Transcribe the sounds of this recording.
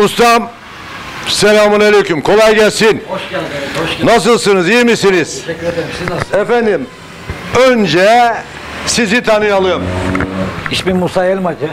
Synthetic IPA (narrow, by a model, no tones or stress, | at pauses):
ust̪ʰam | selʲaːmunelʲejkʰymkʰo̞lˠajɡɛlʲsin | nas̬ɯlˠsɯnɯzijimisiniz̥ | ɛfænd̪im | ønd͡ʒɛ | sizit̪ʰanɯjalˠɯm | iʃbimusaelʲma